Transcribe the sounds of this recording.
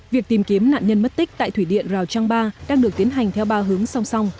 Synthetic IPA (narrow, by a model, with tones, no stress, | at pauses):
vi˨˩ək̚t̪i˨˩mki˨˦əmna̰ː˧˨nɲə˧nm˦˥t̚t̪i˦˥k̟̚t̪a̰ː˧˨jt̪ʰwi˧˩ɗḭ˧˨ənzaː˨˩wt͡ɕa˧ŋɓaː˧ɗaː˧ŋɗɨ˨˩ək̚t̪i˨˦nɦa˨˩jŋ̟t̪ʰɛ˧wɓaː˧ɦɨ˨˦əŋsa˧wŋ͡msa˧wŋ͡m